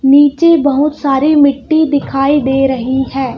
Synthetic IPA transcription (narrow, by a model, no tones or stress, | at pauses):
niːt͡ʃeːbəɦʊt̪saːɾiːmɪʈːiːd̪ɪkʰaːiːd̪eːɾəɦiɦɛː